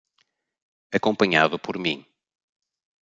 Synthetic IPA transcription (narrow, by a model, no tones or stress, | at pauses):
ɐkõmpɐɲavɐpʰɔɾmḭ̃